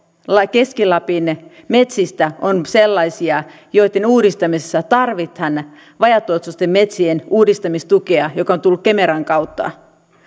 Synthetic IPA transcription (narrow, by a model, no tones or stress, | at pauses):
lɑke̞skilɑpinme̞t̪sist̪æonse̞lːɑjsiɑ | jo̞jt̪ːˑenuːdist̪ɑmisesːæt̪ɑrʋit̪hɑn | ʋɑjɑt̪ːˑuot̪sust̪emːe̞t̪sienuːdist̪ɑmist̪ukeɑjo̞kɑont̪ulːukke̞meɾɑŋkɑwt̪ːɑ̰